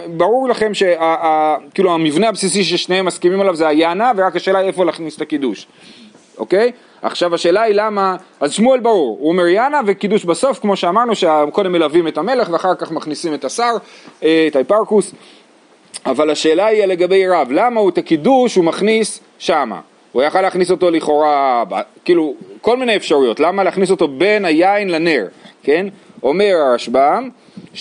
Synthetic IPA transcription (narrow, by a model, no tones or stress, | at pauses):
baʁuʁlaχe̞mʃe̞aːkiːluamivneabsis̬iʃ̬eʃneemːaskimimalavzeajanaveʁakaʃe̞ːlaiefolaχnisetakiduʃ | ʔo̞̰ke̞j | ʔa̰χʃavaʃe̞ːlailamaazʃmuelbaʁuʁuome̞ʁjanavekiduʃbaso̞fkmo̞ʃeamaʁnuʃeko̞demːelavimetame̞le̞χveaχaʁkaχmaχnisime̞tasaʁetaipaʁkus | avalaʃe̞ːlaijale̞ɡabe̞jʁavlamauet̪akiduʃumaχnis | ʃama̰ | ujaχaleaχniso̞to̞liχo̞ʁabakiːluko̞lmineefʃaʁujo̞tlamaleːχniso̞to̞be̞najainlane̞ʁke̞no̞me̞ʁaʁaʃbam